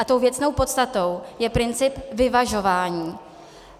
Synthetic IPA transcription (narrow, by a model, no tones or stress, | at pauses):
at̪o̞wvjɛt͡sno̞wpo̞t̪st̪at̪o̞wjɛpɾɪnt͡sɪpvɪvaʒo̞vaːɲiː